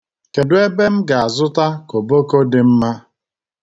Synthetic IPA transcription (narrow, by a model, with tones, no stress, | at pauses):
ke˨dʊ˦e˦be˦m̩˦ɡa˨a˨zʊ˦ta˦ko˨bo˦ko˦dɪ˨m̩˦ma˦